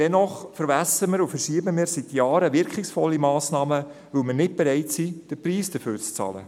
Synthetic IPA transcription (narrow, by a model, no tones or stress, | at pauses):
d̥ɛnɔχfəɾvæsəməɾufəɾʃiəbəmɪːɾsitjɑːɾəʋɪɾkχɪksfɔlːimɑːsnɑːmə | vɵwmənɪt̚b̥eɾɛɪtsid̥əpriːsd̥əføːrt͡st͡sɑ̰ːlə̰